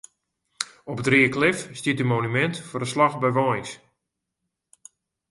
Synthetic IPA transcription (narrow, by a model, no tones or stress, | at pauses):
ɔpətriəklɪfstiətymoːnymɛntfʊrəslaxbɛjʋɔns